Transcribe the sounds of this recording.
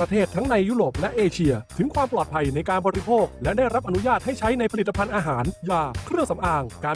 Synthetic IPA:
ɾa˧t̪ʰeː˥˩t̪ʰːa˦˥ŋna˧jːuː˦˥ɾoː˨˩p̚lɛ˦˥ʔeː˧t͡ɕʰi˧ɐt̪ʰɯ˩˦ŋkʰwaː˧mplɔː˨˩t̪pʰa˧jna˧jkaː˧nbɔː˧ɾi˦˥pʰoː˥˩k̚lɛ˦˥da˥˩jɾa˦˥p̚ʔa˧nu˦˥jaː˥˩t̪̚ha˥˩jt͡ɕʰa˦˥jna˧jpʰa˧liː˨˩a˧pʰa˧nʔaː˧ɦaː˩˦njaː˨˩kʰɾɯ˥˩əŋsa˩˦mʔaː˧ŋkaː˧

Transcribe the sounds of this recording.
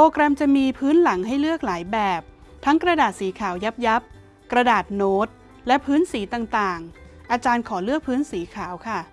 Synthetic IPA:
pɾoː˧kɾɛ˧mt͡ɕa˨˩miː˧pʰɯː˦˥nla˩˦ŋɦa˥˩jlɯ˥˩ək̚laː˩˦jbɛː˨˩p̚ | t̪ʰa˦˥ŋkɾa˧daː˨˩t̪̚siː˩˦kʰaː˨˩˦wja˦˥p̚ja˦˥p̚ | kɾa˧daː˨˩t̪̚noː˦˥t̪̚ | lɛ˦˥pʰɯː˦˥nsiː˨˩˦t̪aː˨˩ŋt̪aː˨˩ŋʔa˧t͡ɕaː˧nkʰɔː˩˦lɯ˥˩ək̚pʰɯː˦˥nsiː˩˦kʰaː˩˦wkʰa˥˩

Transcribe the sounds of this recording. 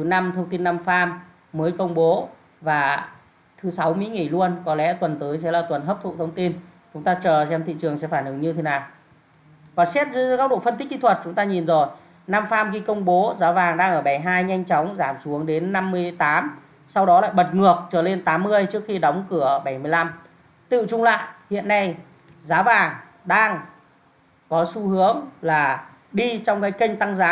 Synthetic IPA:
t̪ʰɨ˨˩˦na˧mt̪ʰə˧wŋ͡mt̪i˧nːa˧mfaː˧mː | əː˨˦jkə˧wŋ͡mɓo˨˦ | vaː˨˩ | t̪ʰɨ˨˦sa˨˦wmḭ˧˥ŋi˧˩lu˧ənkɔ˨˦lɛ̰˧˥t̪wə˨˩nt̪əː˨˦jsɛ̰˧˥laː˨˩t̪wə˨˩nɦəː˦˥p̚t̪ʰṵ˧˨˩t̪ʰə˧wŋ͡mt̪i˧n | t͡ɕʊ˨˦ŋ͡mt̪aː˧t͡ɕəː˨˩t͡ɕɛ˧mt̪ʰḭ˧˨t͡ɕɨ˨˩əŋsɛ̰˧˥faː˧˩nʔɨ˨˦ŋɲɨ˧t̪ʰe˨˦naː˨˩w | kɔ˨˩nsɛ˦˥t̚zɨ˧˦˧kaː˦˥k̚ɗo̰˧˨fə˧nt̪k̟̚kḭ˧t̪ʰwə˨˩t̚t͡ɕʊ˨˦ŋ͡mt̪aː˧ɲi˨˩nzo˨˩j | na˧mfaː˧mɣi˧kə˧wŋ͡mɓo˨˦zaː˨˦vaː˨˩ŋɗaː˧ŋʔəː˧˩ɓa˧˩jɦaː˧jɲa˧jŋ̟t͡ɕɔ˨˦wŋ͡mzaː˧˩msu˨˦əŋɗe˨˦nːa˧mːɨ˧əjt̪aː˨˦m | sa˧wɗɔ˨˦la̰ː˧˨jɓə˨˩t̚ŋɨ˨˩ək̚t͡ɕəː˧˩le˧nt̪aː˨˦mːɨ˧əjt͡ɕɨ˦˥ək̚xi˧ɗə˨˦wŋ͡mkɨ˧˩əɓa˧˩jmɨ˧əjla˧m | t̪ɨ̰˧˨t͡ɕʊ˧ŋ͡mla̰ː˧˨jhḭ˧˨ənːa˧j | zaː˨˦vaː˨˩ŋ | ɗaː˧ŋ | kɔ˨˦su˧hɨ˨˦əŋlaː˨˩ | ɗi˧t͡ɕɔ˧wŋ͡mkaː˨˦jkə˧jŋ̟t̪a˧ŋzaː˨˦

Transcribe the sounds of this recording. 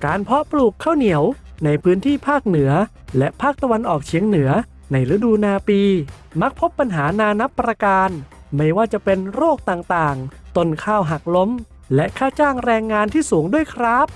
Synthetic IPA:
kaː˨˧npʰɔ˦˥pluː˨˩kʰːaː˥˩wni˨˩˦əwna˧jpʰɯː˦˥nt̪ʰiː˥˩pʰaː˥˩k̚nɯ˩˦ɐ | lɛ˦˥ʔpʰaː˥˩k̚t̪a˧wa˧nʔɔː˨˩k̚t͡ɕʰiː˩˦əŋnɯ˩˦ɐ | na˧jɾɯ˧˦˥duː˧naː˧piː˧ | ma˦˥k̚pʰo˦˥pːa˧nɦaː˩˦naː˧na˦˥pːɾa˧kaː˧n | ma˥˩jwaː˥˩t͡ɕa˨˩pe˧nɾoː˥˩k̚t̪aː˨˩ŋt̪aː˨˩ŋt̪o˧˩nkʰaː˥˩wɦa˨˩k̚lo˦˥m | lɛ˦˥ʔkʰaː˥˩t͡ɕaː˥˩ŋɾɛː˧ŋːaː˧nt̪ʰiː˥˩suː˨˩˦ŋdu˥˩əjkʰɾaː˦˥˩p̚

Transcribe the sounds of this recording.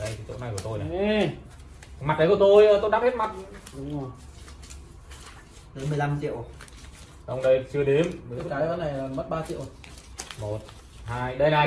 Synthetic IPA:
ɗə˧jt̪ʰːt͡ɕo̰˧˥na˨˩jku˧˩ə˩t̪o˧jna˨ | ma˨˩ɗə˨˦kə˩t̪o˧jəː˧˩t̪o˧jɗaː˧˥phe˦˥t̚ma˨˩t̚ | ɗə˨˦mɨ˨˩əjla˧mt͡ɕḭ˧˨ə˨w | ɗə˧wŋ͡mɗə˧jt͡ɕɨ˧əɗe˨˦m˨˦kaː˨˦jɔ˧˦na˨˩jmə˦˥t̚ɓaː˧t͡ɕḭ˧˨ə˨w | mo˨˩t̚ | haː˧jɗə˧jna˨˩

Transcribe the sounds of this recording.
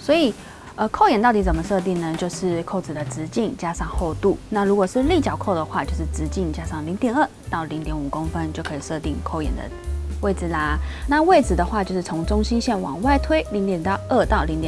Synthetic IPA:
swɔ˧˥i˨˩ | ə˧kʰo˥˩ʊjɛ˨˩nt̪ɑ˥˩i˧˥˩t͡sə˨˩mə˧˦ʂɤ˥˧t̪̬i˥˩ŋnə˩t͡ɕjo˥˧ʊʂɻ̩˥˩kʰo˥˩ʊt͡s̩˨˩d̪ə˦t͡sɹɻ̩˧˥t͡ɕi˥˩ŋt͡ɕja˥ʂɑ˥˧ŋxo˥˧ʊt̪u˥˩na˥˩ɻu˧˥kwɔ˨˩ʂɻ̩˥˧li˥˩t͡ɕjɑ˨˩ʊkʰo˥˩ʊd̪ə˩xwa˥˧t͡ɕjo˥˧ʊʂɻ̩˥˩t͡sɻ̩˧˥t͡ɕi˥˩ŋt͡ɕja˥ʂɑ˥˩ŋli˧˥ŋt̪jɛ˨˩nə˥˧˩t̪ɑ˥˩ʊli˧˥ŋt̪jɛ˧˥nu˨˩kʊ˥ŋfə˦nt͡ɕjo˥˩ʊkʰɤ˧˥i˨˩ʂɤ˥˧t̪i˥˧ŋkʰo˥˧ʊjɛ̰˨˩nd̪ə̰˦we˥˩ɪd͡zɹ̩˨˩lə˩na˥˧we˥˩ɪd͡zɹ̩˨˩d̪ə˩xwa˥˧t͡ɕjo˥˧ʊʂɻ̩˥˩t͡sʰʊ˧˥ŋʈ͡ʂʊ˥ŋɕi˥nɕjɛ˥˩nwɑ̰˨˩ŋwa˥˧ɪt̪ʰwe˥ɪli˧˥ŋt̪jɛ˨˩nt̪ʔə˥˧t̪ɑ˥˩ʊli˧˥ŋt̪jɛ˨˩

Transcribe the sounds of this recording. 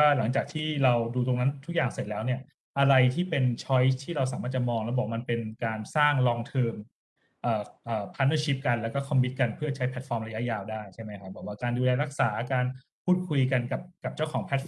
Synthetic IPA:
aː˥˩la˩˦ŋt͡ɕaː˨˩k̚t̪ʰiː˥˩ɾa˧wduː˧t̪̬o˧ŋna˦˥nt̪ʰu˦˥k̚jaː˨˩ŋse˨˩t̪̚lɛː˦˥wni˥˩ɐ | ʔa˧ɾa˧jt̪ʰiː˥˩pe˧nt͡ɕʰɔ˦˥jt̪ʰiː˥˩ɾa˧wsaː˩˦maː˥˩t̪̚t͡ɕa˨˩mɔː˧ŋlɛ˦˥wbɔː˨˩ma˧npe˧nkaː˧nsaː˥˩ŋlɔː˧ŋt̪ʰɤː˧m | ʔəː˨˩ʔəː˨˩pʰa˦˥nɤː˧ɕi˦˥p̚ka˧nlɛː˦˥wkɔː˥˩kʰɔ˧mːi˦˥t̪̚ka˧npʰɯ˥˩ɐt͡ɕʰa˦˥jpʰɛ˨˥˩t̪̚fɔː˧mɾa˧ja˦˥jaː˧wdaː˥˩jt͡ɕʰa˥˩jma˦˥jkʰa˦˥bɔː˨˩k̚waː˥˩kaː˧nduː˧lɛː˧ɾa˦˥k̚saː˩˦kaː˧n | pʰuː˥˩t̪̚kʰu˧jka˧nka˨˩p̚ka˨˩p̚t͡ɕa˥˩wkʰɔː˩˦ŋpʰɛ˦˥t̪̚

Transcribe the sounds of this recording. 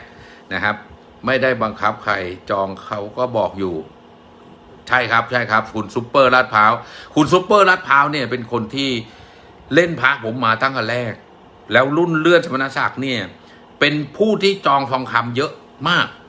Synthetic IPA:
na˦˥kʰa˦˥p̚ | ma˥˩jda˥˩jba˧ŋkʰa˦˥p̚kʰa˧jt͡ɕɔː˧ŋkʰa˦˥wkɔː˥˩bɔː˨˩k̚juː˨˩ | t͡ɕʰa˥˩jkʰa˦˥p̚t͡ɕʰa˥˩jkʰa˦˥p̚kʰu˧nsu˦˥pːɤː˥˩laː˦˥˩t̪̚pʰaː˦˥wkʰu˧ns̬u˦˥pːɤː˥˩la˦˥˩t̪̚pʰaː˦˥wni˥˩ɐpe˧nkʰo˧nt̪ʰiː˥˩ | le˥˩npʰaː˦˥pʰo˩˦mːaː˧t̪ʰa˥˩ŋkʰa˧˩ɾɛː˥˩k̚ | lɛː˦˥wlu˥˩nlɯ˥˩ənsa˧ma˧naː˧˥sa˨˩k̚niː˥˩ɐ | pe˧npʰuː˥˩t̪ʰiː˥˩t͡ɕɔː˧ŋfʰɔː˧ŋkʰa˧mjɤ˦˥ʔ | maː˥˩k̚

